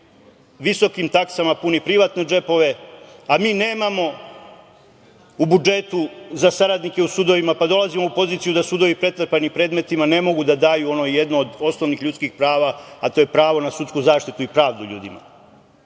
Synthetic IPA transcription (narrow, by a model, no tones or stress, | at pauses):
ʋiso̞kimt̪aksamapunipɾiʋat̪ne̞d͡ʒe̞po̞ʋe̞amiːne̞ːmamo̞ | ubud͡ʒe̞t̪uzasaɾad̪nike̞usuːd̪o̞ʋimapad̪o̞lˠazimo̞upo̞ziːt̪sijud̪asuːd̪o̞ʋipɾe̞t̪r̩panipɾe̞ːd̪me̞t̪imane̞mo̞ɡud̪ad̪aːjuo̞no̞je̞d̪noːd̪o̞sno̞ʋnixʎut̪skixpɾaːʋaat̪o̞ːje̞pɾaːʋo̞nasut̪kuzaːʃt̪it̪uipɾaːʋd̪uʎṵːd̪ima̰